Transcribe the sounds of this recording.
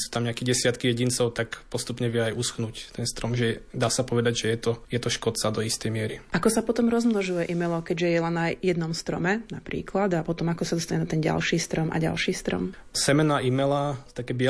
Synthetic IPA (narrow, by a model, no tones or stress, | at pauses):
su̥ːt̪amɲɛakɛɟɛsɪat̪kijɛɟint͡sɔʊt̪akpɔst̪upɲɛʋɪɛajusxnuct̪ɛnst̪ɾɔmʒɛd̪aːsapɔʋɛd̪aɟʒɛjɛt̪ɔjɛt̪ɔʃkɔt͡sad̪ɔist̪ɛjmɪɛɾiʔakɔsapɔt̪ɔmɾɔzmnɔʒujɛʔimɛlɔkɛɟʒɛjɛlɛnːajɛd̪nɔmst̪ɾɔ̰mɛnapɾḭːklad̪apɔt̪ɔmakɔsad̪ɔst̪aɲɛnat̪ɛnɟa̰lʃiːst̪ɾɔmʔa̰ɟa̰lʃiːst̪ɾɔ̰m | sɛmɛnaʔimɛlat̪akɛːbɪɛ